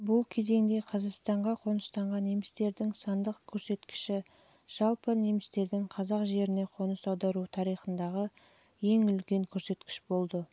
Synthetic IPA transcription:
bʊlˠkʲʰe̞ze̞ŋd̪e̞qʰɑzɑqst̪ɑɴʁɑqʰo̞nəst̪ɑɴʁɑnːemɪst̪e̞ɾd̪ɪŋsɑnd̪əqkʲʰɵɾse̞t̪kʲɪ̥ʃɪ | ʒ̥ɑlˠpəne̞mɪst̪e̞ɾd̪ɪŋqʰɑzɑqʒe̞ɾɪne̞qʰo̞nəsɑwd̪ɑɾut̪ʰɑɾijχənd̪ɑʁə | je̞ŋʏlɡʲe̞ŋkʲʰɵɾse̞t̪kʲɪ̥ʃbo̞lˠd̪ə

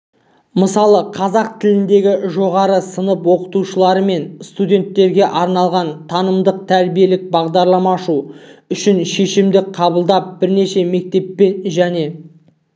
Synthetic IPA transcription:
məsɑlˠəqʰɑzɑq̚t̪ʰɪlɪnd̪e̞ɡʲɪʒo̞ʁɑɾəsənəpwo̞qə̥t̪uʃəlˠɑɾəme̞nst̪udʲe̞nt̪ːe̞ɾɡʲe̞ʔɑɾnɑlˠʁɑnt̪ʰɑnəmd̪əq̚t̪ʰæɾbije̞lɪk̚bɑʁd̪ɑɾlˠɑmɑʃuʏʃɪnʃe̞ʃɪmd̪ɪqʰɑbəlˠd̪ɑp̚bɪɾne̞ʃe̞me̞k̚t̪e̞pːe̞nʒæne̞

